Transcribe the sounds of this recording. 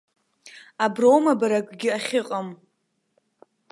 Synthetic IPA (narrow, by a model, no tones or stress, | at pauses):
abrowmabaɾakʷɡʲɪaχʲɪqʼam